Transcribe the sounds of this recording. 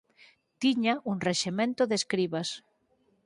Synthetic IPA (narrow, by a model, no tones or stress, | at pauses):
t̪iɲaʔuŋreʃemẽnt̪oðeskɾiβas